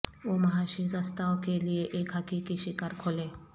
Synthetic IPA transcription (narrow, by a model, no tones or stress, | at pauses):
ʋomɐɦaʃikəst̪aokelieʔekɦəkikiʃikaɾkʰole